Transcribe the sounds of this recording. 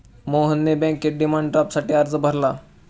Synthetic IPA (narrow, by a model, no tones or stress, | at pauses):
moɦənːebɛ̃kːeʈɖimaɳɖʈɾapsaʈiːaɾd͡zəbʱəɾla